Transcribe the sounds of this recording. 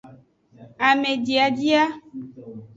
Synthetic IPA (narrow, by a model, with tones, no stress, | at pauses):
a˨me˨di˨a˨d͡ʒi˦a˦